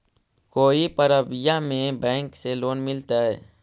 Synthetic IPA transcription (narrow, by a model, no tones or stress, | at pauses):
koːipəɾəbɪjamẽbɛ̃ːŋkseloːnmɪlt̪aɦɛː